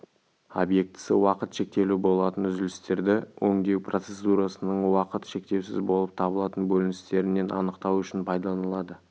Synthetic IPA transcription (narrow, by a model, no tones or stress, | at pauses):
o̰bje̞k̚t̪ɪ̥sə̰wɑqət̪ʃe̞k̚t̪e̞lubo̞lˠɑt̪ənʏzɪlɪst̪e̞ɾd̪ɪwʔɵŋd̪e̞kpro̞t̪se̞sd̪uɾasənəɴwɑqət̪ʃe̞k̚t̪e̞wsɪ̰zbo̞lˠəp̚t̪ʰɑbəlˠɑt̪ənbɵlɪnɪst̪e̞ɾɪnːe̞nʔɑ̰nəqt̪ɑwʏʃɪnpʰɑjd̪ɑlˠɑnəlˠɑd̪ə